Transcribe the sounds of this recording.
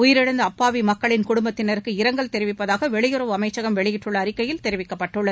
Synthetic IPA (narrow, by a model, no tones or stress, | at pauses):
ʊjɪɾɪɽɐnd̪ɐɐpːaːʋimɐkːɐɭɪnkʊɽʊmbɐt̪ːɪnɐɾɯkːɯɪɾɐŋɡɐɭt̪ɛɾɪʋɪpːɐðaːɣɐʋɛɭɪjɯɾɐʋɯɐmɐɪt͡ʃːɐɣɐmʋɛɭɪjɪʈrɯɭːɐːɾɪkːɐjɪlt̪ɛɾɪʋɪkːɐpːɐʈːɯɭːɐð